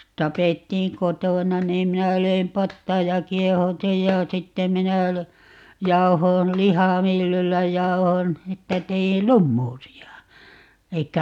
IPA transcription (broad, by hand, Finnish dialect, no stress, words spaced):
tɑpetːiːŋ kotoˑnɑ niːm minæ løim pɑtːɑːj jɑ kiehɑu̞tij jɑ sitːe minæ lø jɑuhoːn lihɑˑmylːylːæ jɑuhon etːæ teil lumːuːsiɑ elikːæ